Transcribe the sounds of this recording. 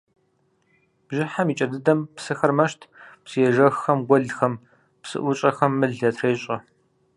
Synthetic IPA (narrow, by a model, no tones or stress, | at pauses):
b̥ʒɪħamiːt͡ʃʼɐdɨdɐmpsɨxɐrmɐʃtʰpsijɛʒɐxxɐmɡʷɔɮxɐm | psɨ̰ʔʷʊt͡ʃʼɐxɐmːɨɮɐtʰreːɕʼɐ